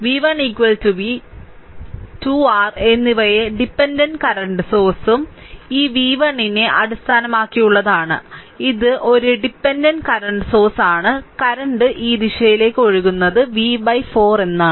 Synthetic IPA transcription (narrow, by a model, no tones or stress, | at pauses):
ʋiːʋɐɳiːkʋɐltuʋi | tuaːre̞nːiʋɐjeɖipːendɐnɖkɐɾɐɳɖɨso̞ːrsum | iːʋiːʋɐɳineʔɐɽist̪ʰaːnɐmaːkːijuɭːɐðaːɳɨ̰ | iðɨʔo̞ɾuɖipːendɐnɖkɐɾɐɳɖɨso̞ːrsaːɳɨkɐɾɐɳɖɨʔiːd̪iʂɐjile̞ːkːɨoɻuɣunːɐðɨʋibɐjfo̞ːre̞nːa